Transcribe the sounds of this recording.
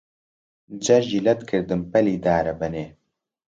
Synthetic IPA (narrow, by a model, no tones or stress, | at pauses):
d͡ʒɐɾʒiːlɛt̪kʰɨɾd̪ɨnpɛliːd̪aːɾɐbɛneː